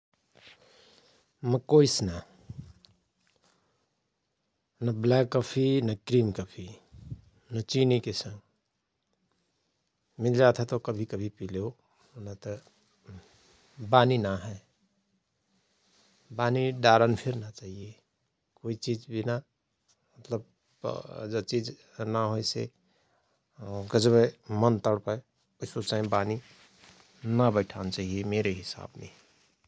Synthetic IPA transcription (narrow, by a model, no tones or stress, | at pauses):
məkoisna | nəblɛkːəpʰinəkɾiːmkəpʰi | nət͡ʃinikesə̃ŋɡ | mɪld͡ʒat̪ʰɛt̪okəbʱikəbʱipileo | nət̪ | baːninaɦɛ | baːniɖaːɾənpʰɪɾnat͡ʃaːɦie | koːit͡ʃid͡ʒbina | mət̪ləb̚ | d͡ʒət͡ʃiːd͡ʒ | naɦojsḛ | ɡəd͡ʒbemənt̪əɽpə | ʊsot͡ʃaːĩbaːni | nabəɪʈʰant͡ʃaːɦiemeːɾeɦɪsa̰ːbmḛ̃